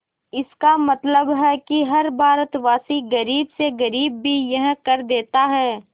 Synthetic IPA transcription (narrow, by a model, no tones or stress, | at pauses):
ɪskamɐt̪ləbɦɛkiɦɐɾbʱaːɾət̪ʋaːsiɡɐɾiːbseɡɐɾiːbːijɐɦkɐɾd̪eːt̪aɦɛː